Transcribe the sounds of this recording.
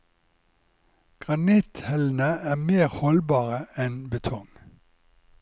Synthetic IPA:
ɡ̥ʁɑnɪt̪hɛln̩əæːmeːʁhɔlbɑːʁəɛnbət̪ʰɔŋ

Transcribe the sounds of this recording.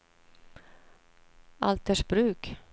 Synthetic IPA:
ʔa̰lt̪əʂbɾʉ̟ːk

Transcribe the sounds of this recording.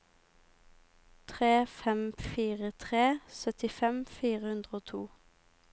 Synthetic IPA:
t̪ʰʁeːfɛmfiːʁət̪ʰʁeːsœt̪ɪfɛmfiːʁəhʉnd̪ʁəoːt̪ʰuː

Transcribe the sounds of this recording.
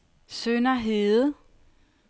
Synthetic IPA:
sønɐɦeð̩ˠ

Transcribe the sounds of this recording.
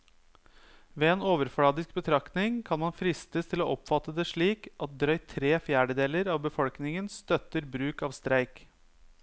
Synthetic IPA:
ʋeːeːnoːʋəɾfɽɑːd̪ɪsk̚bət̪ʰɾɑkt̪nɪŋkʰɑnmɑnfɾɪst̪ət̪ʰɪloːʔɔpfɑt̪ːəd̪ɛʂɭiːkʔɑt̪̚d̪ɾœʏt̪ʰɾeːfjæːɖəd̪eːləɾɑːʋbəfɔlknɪŋənst̪œt̪əɾbɾʉːkɑːʋst̪ɾæɪk

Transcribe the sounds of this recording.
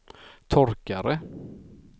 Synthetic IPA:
t̪ʰɔɾkaɾə

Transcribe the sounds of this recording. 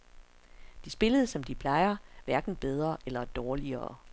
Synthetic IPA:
d̥isb̥e̝ləð̞̩ˠsɒ̽md̥ipʰlɑ̈ɪɐʋæɐɡ̥n̩b̥eð̞ˠʁɐʔelɐd̥ɒːliɐː

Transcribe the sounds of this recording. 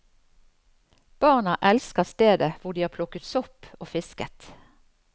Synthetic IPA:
b̥ɑʁnɑʔɛlskəʁst̪eːd̪əʋʊʁd̪iːhɑːpʰlʊkət̪sɔpoːfɪskət̪

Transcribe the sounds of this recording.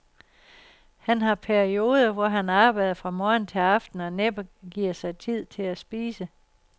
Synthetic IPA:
hænɦɑ̈pʰæɐio̝ːð̞ˠɐʋɒɦænɑ̈ːb̥ɑ̈ɪðˠɐfʁɑ̈mɒːn̩t͡sʰe̝lɑ̈fd̥n̩ɒ̽neb̥ɐɡ̥iɐ̰sɑ̈ɪt͡sʰið̞̰ˠt͡sʰe̝læsb̥iːsə

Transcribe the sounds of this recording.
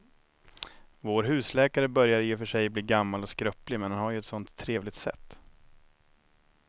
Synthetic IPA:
voːɾɦʉ̟ːslɛːkaɾəbœɾjaɾjɪfœʂɛjbliːɡamːalɔskɾœplɪmɛnhanhaɾjɵɛt̪sɔnt̪ʰːɾeːvlɪɡ̚t̪sɛ̰t̪ː

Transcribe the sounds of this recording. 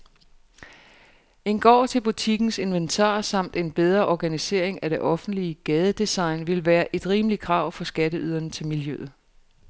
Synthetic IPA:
e̝nɡ̥ɒ̰ːt͡sʰe̝lb̥ut͡sʰiɡ̥n̩se̝nʋent͡sʰɑ̰̈ːsɑ̈m̰d̥e̝nb̥eð̞ˠʁɐʔɒɡ̥ænise̝̰ɐ̰eŋæd̥e̝ʔɒ̽fn̩d̥liəɡ̥ɛːð̞ˠəd̥isɑ̈ɪnʋe̝lʋæːɐʔe̝d̥ʁiːməlikʰʁɑ̈ʊ̰fɒ̽sɡ̥ædəyð̞ˠɐnət͡sʰe̝lmiljøð̩ˠ

